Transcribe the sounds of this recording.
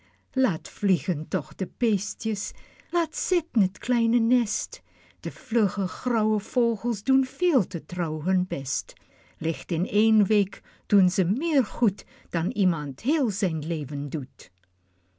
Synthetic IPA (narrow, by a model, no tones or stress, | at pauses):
laːtfliɣəntɔχd̥əpeːstjəs | laːtsɪtən̩ətklɛjnənɛst | d̥əfløχəxrɔwəv̥oːχəlˠsdunfeːlˠtətrɔwɦɵnbɛst | lɪxtɪneːnʋeːk | d̥unzəmɪːɹχut | d̥ɑnimɑntheːlˠzɛjnleːvəndut